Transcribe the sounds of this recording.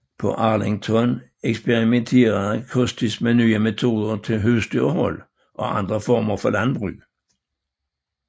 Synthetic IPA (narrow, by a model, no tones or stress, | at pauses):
pʰɒʔɑːlɪŋt͡sʰɔn | eksb̥eʁimentʰe̝̰ːʁɐkʰɔsd̥ismenyːəmet͡sʰo̝̰ːðˠɐt͡sʰe̝lɦøsd̪̥yːɐhɔl | ʔɒ̽ʔɑnd̥̪ʁəfɔːmɐfɒlænbʁy̰ː